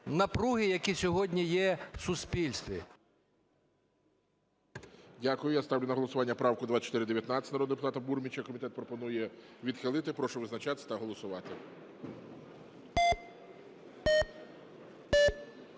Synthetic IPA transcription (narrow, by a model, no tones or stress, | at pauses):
nɐpɾuɦɪjɐkʲisʲɔɦɔdʲnʲijɛsʊspʲilʲst̪ʋʲḭ | dʲakʊjʊjast̪ɑwlʲʊnɐɦɔlˠɔsʊʋɑnʲːɐpɾɑwkʊd̪ʋat͡ʃɔt̪ɾɪd̪eʋjɐt̪nɑt͡sʲːɐtʲnɾɔd̪d̪epʊt̪ɑt̪ɐburmʲit͡ʃɐkɔmʲit̪ɛt̪pɾɔpɔnujɛʋʲid̪xɪlˠɪt̪ɪpɾɔʃʊʋɪznɐt͡ʃat̪ɪst̪ɐɦɔlˠɔsʊʋɑt̪ɪ